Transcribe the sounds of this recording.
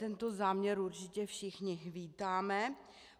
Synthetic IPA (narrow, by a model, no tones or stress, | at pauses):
t̪ɛnt̪o̞zaːmɲɛɾuɾt͡ʃɪcɛfʃɪxɲɪviːt̪aːmɛ